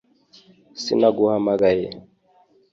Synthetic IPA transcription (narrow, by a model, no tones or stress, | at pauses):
sḭnaɡuhamaɡajɛ